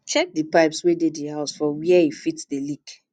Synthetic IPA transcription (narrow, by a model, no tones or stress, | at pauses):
t͡ʃɛdipaɪpswededdihaʊsfɔwiɛifitdəlik